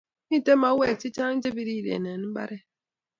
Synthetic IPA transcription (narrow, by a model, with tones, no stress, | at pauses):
mi˦˨te˦ma˨˦wɛ˦˨k̚ti˦t͡ʃa˦ŋ̩˦d͡ʒe˦bi˦ɾi˦˨dḛ˨nɛ˨n̩˦ba̰˦ɾɛ˦